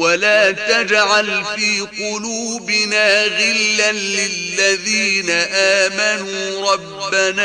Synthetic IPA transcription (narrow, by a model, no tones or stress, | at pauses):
walaːt̪ad͡ʒʕalfiːqʊluːbɪnaːɣɪlːanlɪlːaðiːnaʔaːmanuːɾˤɑbːanaː